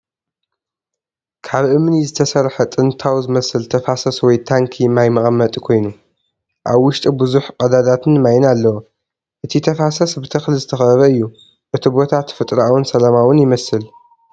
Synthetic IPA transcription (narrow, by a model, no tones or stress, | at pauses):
kʰaβʔɨmnizɨt̪ʰɐsɐɾħɐt̪ʼɨnt̪ʰawzɨmɐsɨlt̪ʰɐfasɐswɔjt̪ʰaŋkʰimajmɐχʼɐmːɐt̪ʼkʰo̞jnu | ʔaβwʊʃt̪ʼibɨzuħkʼɐd̪ad̪at̪ʰɨnmajnalːɐwo | ʔɨt̪ʰit̪ʰɐfasɐsbɨt̪ʰɨxlizɨt̪ʰɐxɐɐβɐɨjːu | ʔɨt̪ʰibo̞t̪ʰat̪fɨt̪ʼɾaawɨnsɐlɐmawʊnjɪmɐsɨl